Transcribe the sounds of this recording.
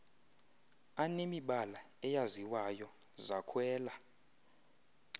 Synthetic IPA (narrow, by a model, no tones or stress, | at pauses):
anemiɓala | ɛjaziwajɔ | zakʰwɛːla